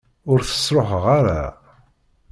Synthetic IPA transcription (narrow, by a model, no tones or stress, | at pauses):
ʊɾθə̥sɾoħʁaɾa̰